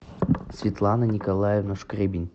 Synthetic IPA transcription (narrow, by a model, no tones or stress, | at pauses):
sʲvʲɪt̪lˠɑnənʲɪkɐlˠajevnoʂkrʲebʲɪnʲ